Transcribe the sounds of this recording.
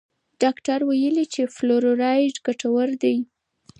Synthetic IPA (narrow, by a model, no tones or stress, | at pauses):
ɖ̥ɑkʈaɾwajəlit͡ʃefloɾoɾɑjɖɡaʈawaɾd̪aj